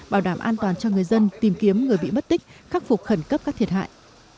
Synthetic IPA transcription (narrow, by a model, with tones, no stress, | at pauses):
ɓaː˧˩wɗaː˧˩mʔaː˧nt̪waː˨˩nt͡ɕɔ˧ŋɨ˨˩əjzə˧nt̪i˨˩mki˨˦əmŋɨ˨˩əjɓḭ˧˨mə˦˥t̚t̪ï˦˥k̚xaː˦˥k̚fʊ˨˩k͡p̚xə˧˩nkə˦˥p̚kaː˦˥k̚t̪ʰət̚ɦa̰ː˧˨jʔ